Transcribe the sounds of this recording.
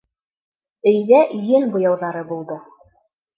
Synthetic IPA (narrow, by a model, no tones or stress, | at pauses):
ɵ̆jðæʔɵjɘnbŏjɑwðɑɾɤbulˠd̪ɤ